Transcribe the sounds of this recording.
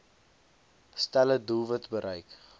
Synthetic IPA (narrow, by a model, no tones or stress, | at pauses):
stælədulˠvətbəɾʔɛjk